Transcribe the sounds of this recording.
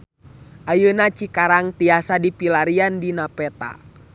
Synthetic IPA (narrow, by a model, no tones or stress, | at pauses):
ʔajənat͡ʃikaɾaŋt̪iasadipilaɾiandinapɛt̪a̰